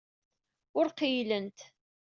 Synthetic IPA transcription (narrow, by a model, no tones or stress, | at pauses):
ʊɾqijlənt̪